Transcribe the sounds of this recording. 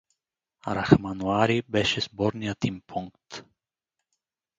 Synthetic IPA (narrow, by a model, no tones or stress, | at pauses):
ɾaxmanuaːɾibɛʃɛz̥bɔɾnijat̪impʰuŋkt̪